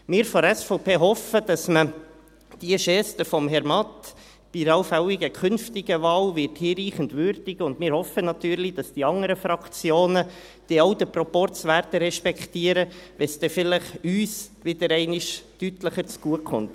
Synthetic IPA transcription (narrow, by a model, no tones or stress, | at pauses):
mɪːɾfɔɾɛsfɔʊpeːɦɔfəd̥ɑsmə | d̥iəʃɛstəfɔmɦɛɾmɑt | b̥iɾɑʊfawiɡəkʰχʏnftiɡəvɑːlʋɪɾthiːɾiːχəndʋʏɾd̥ɪɡʊndmɪːɾhɔfənɑt̪yːɾlid̥ɑsd̥iɑŋəɾəfɾɑkt͡sjoːnə | d̥iɑwd̪əpɾɔpɔɾt͡sʋæɾdəɾɛʃpɛktiəɾəʋɛsd̥ɛfɪləχyːsʋɪd̥əɾɛɪnɪʃtytləχəɾt͡sɡ̥uəkχʊ̰nt